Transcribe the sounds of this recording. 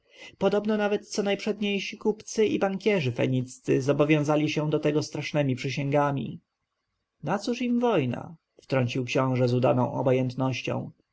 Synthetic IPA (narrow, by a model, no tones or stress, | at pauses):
pɔd̪ɔbnɔnavɛt̪̚t̪sɔnajpʂɛd̪ɲejɕikupt̪sɘʔibaŋkʲjɛʐɘfɛ̰ɲit̪st̪sɘzɔbɔvʲjɔ̃w̃zalʲiɕɛd̪ɔt̪ɛɡɔst̪ɾaʂnɛmʲipʂɘɕɛŋɡamʲḭ | nat̪suʂimvɔjna̰ | ft̪ɾɔɲt͡ɕiwkɕɔ̃w̃ʐɛzud̪a̰nɔ̰̃w̃ʔɔ̰bɔjɛnt̪nɔɕt͡ɕɔ̰̃w̃